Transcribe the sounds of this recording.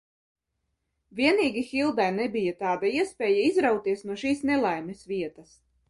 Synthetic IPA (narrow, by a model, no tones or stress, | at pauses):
vʲiɛniːɡʲixilˠd̪ajnɛbijat̪aːd̪aiɛspʲeːjaizɾawt̪iɛsnuɔʃiːsnelˠajmʲesviɛt̪ɐs